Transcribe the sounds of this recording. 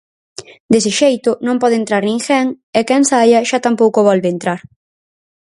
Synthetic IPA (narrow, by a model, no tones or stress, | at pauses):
d̪es̬ɪʃejt̪ʊnõmpɔðent̪ɾaɾnĩŋxɛŋ | ɛkɛnsajɐʃat̪ampowkʊβɔlβent̪ɾaɾ